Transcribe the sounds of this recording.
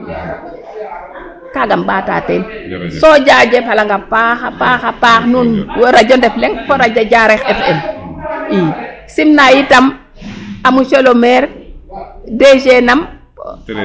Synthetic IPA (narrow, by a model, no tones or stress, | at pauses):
kaɡamɓaːta̰ːtɛnsɔd͡ʒad͡ʒepalaŋɡapaxapaxapaxnunwoɾad͡ʒɔndɛflɛŋkɔɾad͡ʒaɟaɾɛxɛfɛm | i | simnajitam | amuʃelomɛɾ | ded͡ʒenam